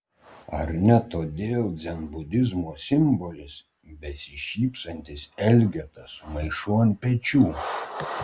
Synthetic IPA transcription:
ɐ̰ɾnʲɛt̪oːd̪ʲeːlˠd̪zʲɛnbʊd̪ʲɪzmoːsʲɪmbɔlʲɪs | bʲɛsʲɪʃʲiːpsɐnʲt̪ʲɪsɛlʲɡʲɛt̪ɐsmɐɪʃuɔnʲpʲɛt͡ʃʲuː

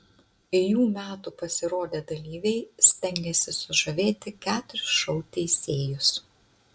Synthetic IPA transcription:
ɪjuːmʲæːt̪uːpɐsʲɪɾoːd̪ʲeːd̪ɐlʲiːʋʲɛɪsʲt̪ʲɛŋʲɡʲɛsʲɪsʊʒɐʋʲeːt̪ʲɪkʲæːt̪ʊɾʲɪsʃɐʊt̪ʲɛɪsʲeːjʊs

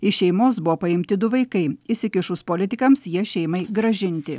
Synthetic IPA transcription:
ɪʃʲɛɪmoːsbʊʋoːpɐɪmʲt̪ʲɪd̪ʊʋɐɪkɐɪɪsʲɪkʲɪʃʊspolʲɪt̪ʲɪkɐmsjiɛʃʲɛɪmɐɪɡɾɐʒʲɪnʲt̪ʲɪ

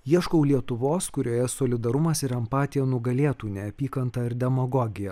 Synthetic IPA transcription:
jiɛʃkoʊlʲiɛt̪ʊʋoːskʊɾʲoːjɛsoːlʲɪd̪ɐɾʊmɐsɪɾɛmpɑːt̪ʲɪjɛnʊɡɐlʲeːt̪uːnʲɛɐpʲiːkɐnt̪ɐɪɾd̪ʲɛmɐɡɔːɡʲɪjɛ

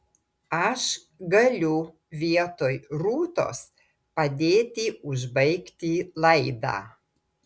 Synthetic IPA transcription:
aʃ | ɡəlʲu | vʲiɛt̪ojɾuːt̪o̰s | pad̪ʲeːt̪iuʒbɐjkt̪ʲilɐjd̪a̰

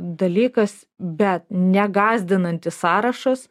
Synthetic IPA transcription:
d̪ɐlʲiːkɐs | bʲɛt̪̚nʲɛɡɑːzʲd̪ʲɪnɐnʲt̪ʲɪssɑːɾɐʃɐs

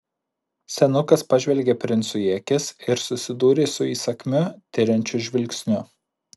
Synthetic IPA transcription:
sʲɛnʊkɐspɐʒʲʋʲɛlʲɡʲepʲɾʲɪnt̪sʊjiɛkʲɪsɪɾsʊsʲɪd̪uːɾʲeːsʊiːsɐkʲmʲʊt̪ʲɪɾʲɛnʲt͡ʃʲʊʒʲʋʲɪlʲkʲsʲnʲʊ

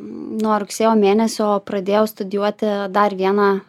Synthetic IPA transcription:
noːɾʊksʲeːjoːmʲeːnʲɛsʲoːpɾɐd̪ʲeːjɛʊst̪ʊd̪ʲɪjuɔt̪ʲɪd̪ɐɾʋʲiɛnɑ

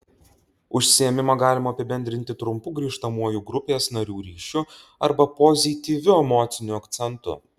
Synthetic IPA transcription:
ʊʃʲsʲɪjɛmʲɪmɐɡɑːlʲɪmɐɐpʲɪbʲɛnʲd̪ʲɾʲɪnʲt̪ʲɪt̪ɾʊmpʊɡɾʲiːʃt̪ɐmuɔjuɡɾʊpʲeːsnɐɾʲuːɾʲiːʃʲʊɐɾbɐpɔzʲit̪ʲiːʋʲʊɛmoːt̪sʲɪnʲuɐkt̪sʲɛnt̪ʊ̰

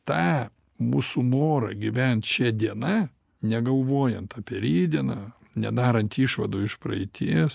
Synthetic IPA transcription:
t̪ɑː | muːsunoːɾɐ̰ɡʲɪʋʲɛnt̪ʃʲɛd̪ʲiɛnɐ | nʲɛɡɐlˠʋoːjɛnt̪ɐpʲɛɾʲiːd̪ʲiɛnɐ | nʲɛd̪ɑːɾɐnt̪iːʃʋɐd̪uːɪʃpɾɐ̰ɪt̪ʲiːs

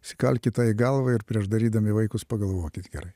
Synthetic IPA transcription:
sʲɪkɐlʲkʲɪt̪ɑːɪɡɐlˠʋɐɪɾpʲɾʲiɛʃd̪ɐɾʲiːd̪ɐmʲɪʋɐɪkʊspɐɡɐlˠʋoːkʲɪt̪ɡʲɛɾɐɪ

